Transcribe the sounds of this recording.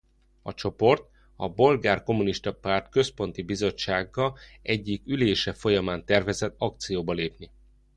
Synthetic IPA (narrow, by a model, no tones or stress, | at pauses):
ɒ̰t͡ʃo̞po̞rt̪ | ɒbo̞lɡaːrko̞muniʃt̪ɒpaːrt̪kø̞spo̞nt̪ibizo̞t͡ʃt͡ʃːaːɡːɒɛɟːikyleːʃɛfo̞jɒmaːnt̪ɛrvɛzɛt̪ːɒk̚t̪sijoːbɒleːpni